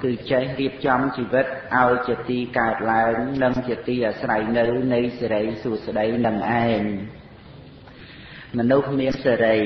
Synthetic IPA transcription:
kɨːt͡ɕɛhriəp̚t͡ɕɑmt͡ɕiːʋɨt̪̚ʔaɔjt͡ɕiət̪iːkaət̪̚laəŋnɨŋt͡ɕiət̪iːʔasrajnɨwnɨjseɾəjsuəsɗəjnɨŋʔaɛɲ | mɔ̆nuhmiənseːɾəj

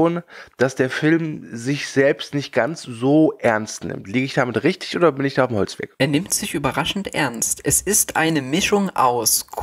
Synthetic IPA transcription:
oːnd̥asd̥eːɐfɪlmzɪçz̥ɛlpstnɪçt̚ɡ̥ant͡sz̥oːʔɛɐnstnɪ̰mtliːɡəɪçd̥aːmɪtʁɪçtɪçʔoːdɐbɪnɪçd̥aːaʊmhɔlt͡sv̥ɛ̰ɐkʔeːɐnɪmtz̥ɪçʔyːbɐʁaʃn̩tʔɛ̰ɐnstʔɛsɪstʔa̰ɪnəmɪʃʊŋʔa̰ʊskʰ

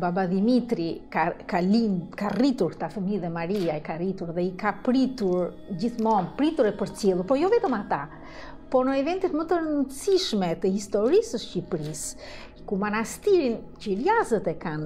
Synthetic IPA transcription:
babad̪imit̪ɾikakalikarit̪uɾt̪afəmiðɛmaɾiaikarit̪uɾðɛikapɾit̪uɾ | ɟiθmɔmpɾit̪uɾɛpəɾt͡sjɛlˠəpɔjɔvɛt̪ɔmat̪a | pɔnəɛvɛnt̪it̪mət̪əɾənəsiʃmɛt̪əhist̪ɔɾisəʃcipɾis | kumanast̪iɾint͡ʃəlazət̪ɛkan

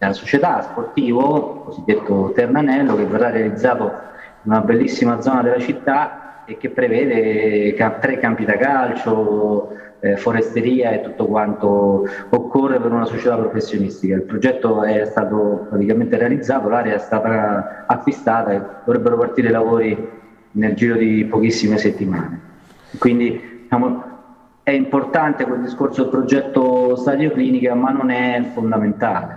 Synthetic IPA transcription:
lasot͡ʃet̪asport̪iːvokozid̪ːet̪ːot̪ernanɛlːok̟evːerːarːealid̪zaːt̪o | inunabelːisːimad̪zːɔnad̪elːat͡ʃit̪ːa | ek̟ːepːɾevɛːd̪ekat̪ːɾekːampid̪akalt͡ʃo | ɛfoɾest̪eɾiːaet̪ːut̪ːokwant̪ookːorːepeɾunasot͡ʃet̪apːɾofesːjonist̪ikailpɾod͡ʒɛt̪ːoɛst̪aːt̪opɾat̪ikament̪eɾealid̪zːaːt̪olaːɾeaɛst̪aːt̪aakːwist̪aːt̪ad̪ovɾebːeɾopart̪iːɾelavoːɾi | neld͡ʒiːɾod̪ipok̟isːimeset̪ːimaːne | kwind̪id̪it͡ʃaːmo | ɛimport̪ant̪ekweld̪iskorsod̪elpɾod͡ʒɛt̪ːost̪ad̪jokliːnikamanːonɛfond̪ament̪aːle

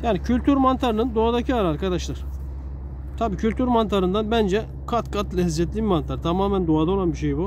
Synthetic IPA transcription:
jaːnicʰylʲt̪ʰyɾmant̪ʰaɾɯnɯnd̪oad̪acʰiaɾaɾkad̪aʃlˠaɾ̥ | t̪ʰabiːcʰylʲt̪ʰyɾmant̪ʰaɾɯnd̪anbænd͡ʒɛ | kʰat̪kʰat̪lʲɛɦizːɛt̪lʲimmant̪ʰaɾɯt̪ʰamaːmænd̪oad̪ao̞lˠanbiʃejbu

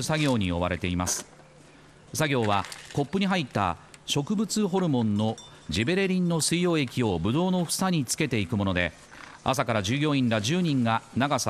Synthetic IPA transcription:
saɡʲo̞ːɲ̟io̞β̞aɾe̞t̪e̞imasɨ̥ | saɡʲo̞ːβako̞pːɯ̟ɲ̟iɦait̪ːa̰ɕo̞kɯ̟bɯ̟t͡sɨɦo̞ɾɯ̟mõ̞nːo̞ | d͡ʑibe̞ɾe̞ɾʲĩnːo̞sɨijo̞ːe̞kʲio̞bɯ̟d̪o̞ːno̞ɸɯ̥saɲ̟it͡sɨ̥ke̞t̪e̞ikɯ̟mo̞no̞d̪e̞̰ | a̰sakaɾaʑɨːɡʲoːĩnɾaʑɨːɲ̟ĩŋɡanaɡas

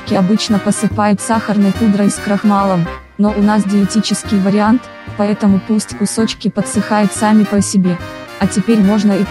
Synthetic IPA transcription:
kʲɪɐbɨt͡ɕnəpəsɨpajʊt̪saxərnɨjkud̪ɾəskɾɐxmalˠəm | noʔʊnasɡʲɪɪtʲit͡ɕɪskʲɪjvəɾʲɪant̪ | pɐɛt̪əmʊpusʲtʲkʊso̞t͡ɕkʲɪpət̪sɨxajʊt̪samʲɪpəsʲɪbʲe | ɐtʲɪpʲeɾʲmo̞ʐnəi

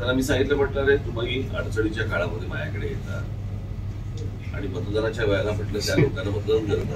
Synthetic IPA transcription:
t̪jalamiːsãŋɡit̪ləpəʈnaɾet̪uməɡiːə̰ɽt͡səɽit͡ɕjakaɭaməd̪ʱːjemajakəɽejet̪a | a̰ɽ̃imət̪d̪anat͡ɕjaʋəjalaməʈləːt̪jalokalamət̪ləunɡəɾt̪a

